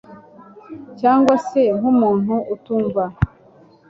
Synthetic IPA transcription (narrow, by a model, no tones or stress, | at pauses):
caːŋɡwase̞ŋ̥umuːn̥huʔːtuːɱva